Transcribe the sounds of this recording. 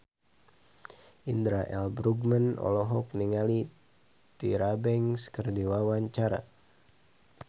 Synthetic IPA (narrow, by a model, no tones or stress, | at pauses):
ind̪ɾaʔɛ̰lbɾuɡmənɔ̰lɔɦɔk̚niŋali | t̪iɾabɛŋskərdiwawaɲt͡ʃaɾa̰